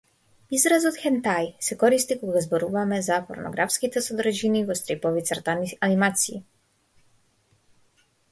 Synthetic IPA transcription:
izɾazɔt̪xɛnt̪ajsɛkɔɾist̪ikɔɡazbɔɾuvamɛzapɔ̰ɾnɔ̰ɡɾafskit̪ɛsɔd̪ɾʒinivɔst̪ɾipɔvit̪saɾt̪aanimat̪siː

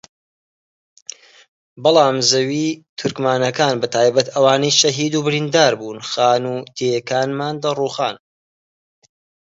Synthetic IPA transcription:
bɑlˠɑːmzɐwiːt̪ʰʊɾkmaːnɐkaːnbɐt̪ʰaːjbɐt̪ɐwaːnɐjʃɐɦiːd̪uːbɪɾiːnd̪aːɾbuːnxaːnut̪ʰejkaːnmaːnd̪ɐruːxaːn

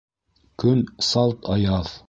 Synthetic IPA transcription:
kɵnsɑlˠt̪ʰɑjɑð

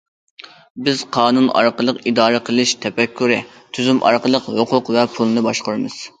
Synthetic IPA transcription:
bɪz̥qʰɑːnunɑ̰ɾqəlˠəqid̪ɑːɾəqʰəlˠɨʃt̪ʰɛpɛkʲʰːyɾɪ | t̪ʰyzymʔɑ̰ɾqəlˠəqhoqʰʊqvɛpʰulˠnɨbɑʃqʊɾɨmɨz̥

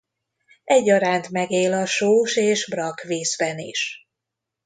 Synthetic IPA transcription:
ɛɟːɒɾaːnt̪mɛɡeːlɒʃoːʃeːʒbrɒkʋeːzbɛnḭʃ

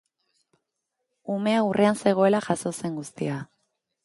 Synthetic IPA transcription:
ume̞aurʔeanse̞ɣ̞o̞e̞laʝaso̞se̞ŋɡust̪ia

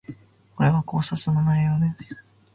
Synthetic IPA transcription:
koɾeβako̞ːsasɨmonaijod̪esɨ̥

